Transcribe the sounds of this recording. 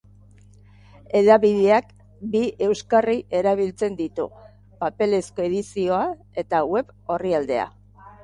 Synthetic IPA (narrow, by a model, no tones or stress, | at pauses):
e̞ðaβiðeak | biʔe̞wskariʔe̞ɾaβ̞ilt͡se̞nd̪it̪ṵ | pape̞le̞sko̞e̞ðisio̞a | e̞t̪awe̞β | o̞riald̪e̞a̰